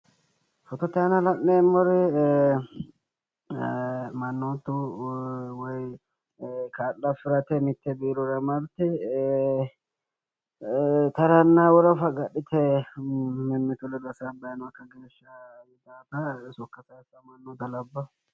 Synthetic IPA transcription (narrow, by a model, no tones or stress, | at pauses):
fɔt̪ɔt̪ːɛɐnɐlɐʔːemːɔɾɪ | mɐnːoːt̪ːʊ | wɔj | kaːlːɐfɪɾɐt̪ɛmɪt̪ːɛbiːɾɔɾɐmɐɾt̪ɪ | t̪ɐɾɐnːawɔɾɐfɐɡɐɗːɪt̪ɛ | mɪmːɪt̪ʊlɛd̪ɐsabɐjnɔɐkːɐɡeːʃːɐ | mɪd̪aːt̪ɐsɔkːɐsɐsɐmɐnːɔd̪ɐlɐbːɐ